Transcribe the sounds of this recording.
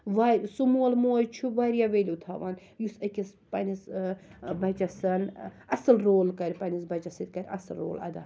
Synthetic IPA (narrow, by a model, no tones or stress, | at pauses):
ʋaɾsumulmoːjt͡ʃʰuʋaɾjaʋelʲut̪ʰaʋɐn | jusɐkʲispɐnʲis | bɐt͡ʃɐsɐn | ɐsɐlɾoːlkɐɾʲpɐnʲisbɐt͡ʃɐsit̪ʲkɐɾʲɐ̰sɐlɾo̰ːlɐ̰d̪a̰